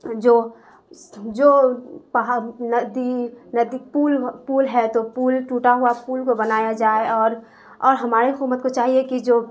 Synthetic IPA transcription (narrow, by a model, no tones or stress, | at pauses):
d͡ʒoː | d͡ʒoːpɦnəd̪inəd̪ipuːlpuːlɦɛt̪opuːlʈuːʈaɦuapuːlkobənaːjad͡ʒaːeɔːɾ | ɔːɾɦɐmaːɾeɦʊkuːmət̪̚kot͡ʃaːɦiekid͡ʒoː